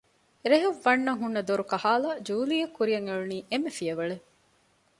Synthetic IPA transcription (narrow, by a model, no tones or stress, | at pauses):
ɾeɦeʋːɐnːɐŋɦunːɐd̪oɾukɐhaːlɐd͡ʒuːlijɐkːuɾijɐŋeɭuniːʔemːefijɐʋɐɭe